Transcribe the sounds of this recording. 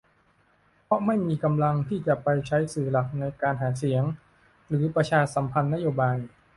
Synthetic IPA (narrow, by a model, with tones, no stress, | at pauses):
pʰɔ˦˥ma˥˩jmiː˧ka˧mla˧ŋt̪ʰiː˥˩t͡ɕa˨˩pa˧jt͡ɕʰa˦˥jsɯː˨˩la˨˩k̚na˧jkaː˧nɦaː˩˦si˩˦əŋ | ɾɯː˩˦pɾa˧t͡ɕʰaː˧sa˩˦mpʰa˧nːa˥joː˧baː˧j